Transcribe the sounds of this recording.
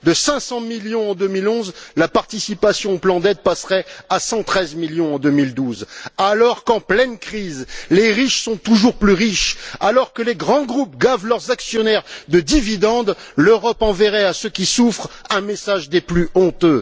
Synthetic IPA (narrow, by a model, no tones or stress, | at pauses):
d̪əsɛ̃sɑ̃miljɔ̃ɑ̃d̪əmilɔ̃zlapaʁt̪isipasjɔ̃plɑ̃d̪ɛd̪̚pasχɛasɑ̃t̪χɛzmiljɔ̃ɑ̃d̪ømild̪uzalɔʁkɑ̃plɛnkχizleʁiʃsɔ̃t̪uʒuʁplyʁiʃalɔʁkəleɡʁɑ̃ɡʁup̚ɡavlœʁzaksjɔnɛʁd̪əd̪ivid̪ɑ̃d̪løʁɔpɑ̃vɛʁɛasəkʲisufχɛ̃mesaʒd̪eplyɔ̃t̪ø